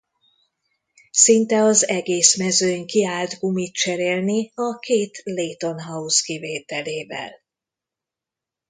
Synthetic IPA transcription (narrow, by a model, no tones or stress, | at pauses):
sint̪ɛɒzɛɡeːsmɛzøːɲkiaːld̪ɡumit̪̚t͡ʃɛɾeːlniɒkʰeːt̪leːt̪o̞nɦɒuskiveːt̪ɛleːvɛ̰l